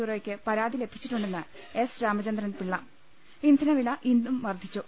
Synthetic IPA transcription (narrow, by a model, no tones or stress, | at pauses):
uːrjokʲːɨpɐɾaːd̪ile̞bʱi̥t͡ɕːiʈːuɳɖe̞nːɨ | e̞sɾaːmɐt͡ɕɐnd̪rɐnpiɭːɐm | ind̪ʱɐnɐʋilɐʔind̪umʋɐrd̪ʱit͡ɕːu